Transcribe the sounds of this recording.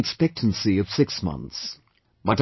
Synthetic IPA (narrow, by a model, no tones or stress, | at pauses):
ɨkspɛk̚tʰn̩siʌv̥sɪksmʌ̰̃nθs | b̥ʌɾ